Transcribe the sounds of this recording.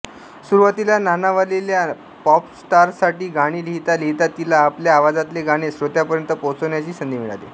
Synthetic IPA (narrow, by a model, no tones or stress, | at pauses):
suɾuʋat̪ilananaʋalelja | pɔpsʈaɾsaʈiːɡaɽ̃iːliɦit̪alit̪at̪ilaːpljaːʋad͡zat̪leɡaɽ̃esɾot̪japəɾjənt̪əpot͡səwɳjat͡ɕiːsənd̪ʱiːmiɭa̰lḛ